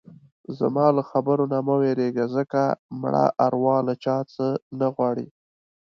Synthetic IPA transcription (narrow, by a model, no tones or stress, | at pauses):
za̰mɑlaxabəɾonaməweɾeɡazəkamɽa̰ʔaɾwɑlat͡ʃɑt͡sənaɣwɑɽḭ